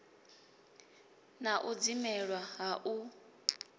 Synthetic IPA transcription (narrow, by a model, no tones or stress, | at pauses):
naʔud͡zimɛɺwaɦaʔu